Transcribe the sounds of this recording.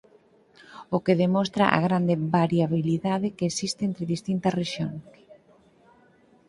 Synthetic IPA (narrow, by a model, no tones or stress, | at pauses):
ʊkeðemost̪ɾa̰ʔa̰ɣɾand̪ebaɾjaβiliðaðɪkeːsist̪eent̪ɾɪðist̪int̪ɐsreʃjoŋs